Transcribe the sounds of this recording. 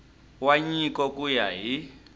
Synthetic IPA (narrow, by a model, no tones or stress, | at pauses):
waɲikɔkujaɦi